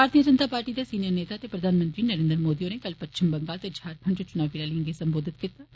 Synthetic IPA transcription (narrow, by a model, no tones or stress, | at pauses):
bʱaːɾt̪ijəd͡ʒənt̪aːpaːɾʈiːd̪aːsiːnijəɾneːt̪aːət̪eːpɾəd̪ʱaːnmə̃nt̪ɾiːnəɾẽːnd̪ɾmoːd̪ioːnekəlpətːʃʰɪmbəŋɡaːlt̪eːd͡ʒʱaːɾpʰəɳd͡ʒot͡ʃʊnaːʋiːlaːliə̃ŋɡesə̃mboːd̪ʱɪt̪̚kit̪aː